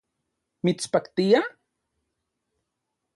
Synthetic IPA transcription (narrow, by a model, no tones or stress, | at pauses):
mit͡spakt̪ija